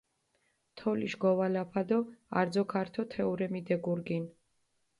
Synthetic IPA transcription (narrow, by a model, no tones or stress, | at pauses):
t̪ʰɔlḭʃɡɔvalapʰad̪ɔa̰ɾd̪zɔkʰaɾt̪ʰɔt̪ʰɛuɾɛmid̪ɛɡuɾɡin